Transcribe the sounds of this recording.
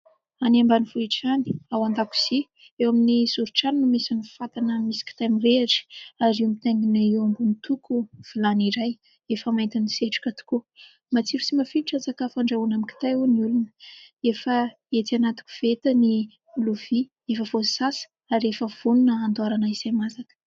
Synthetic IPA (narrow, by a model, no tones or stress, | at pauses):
anambanivuiʈ͡ʂani̥awand̪aku̥z̥i | ewaminizuɾuʈ͡ʂaninumisani̥fat̪anəmisi̥kʲi̥t̪amiɾeɾi̥aɾiamit̪eŋɡineewambunit̪ukuv̥ilaniɾaj | efəmajnt̪iniseʈ͡ʂu̥kʲat̪u̥ku | mat͡siɾusimafiiʈ͡ʂant͡sakafaɳɖ͡ʐaunamiki̥t̪ajuniulunə̥efə | et̪ianat̪u̥kʲu̥v̥et̪əni | luvi | efəvosisasə̥ | aɾefəv̥ununəand̪aɾanəiz̥ajmazakə̥